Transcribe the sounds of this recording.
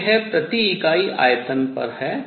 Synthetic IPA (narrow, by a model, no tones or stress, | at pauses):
ɦɛpɾɐt̪iːkaːiʔa̰ːjət̪ənpɐ̰ɾɦɛː